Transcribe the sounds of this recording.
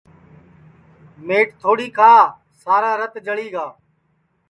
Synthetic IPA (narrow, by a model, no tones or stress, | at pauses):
meːʈt̪ʰoːɽiːkʰaː | saːɾaːɾət̪d͡ʒəɭiːɡaː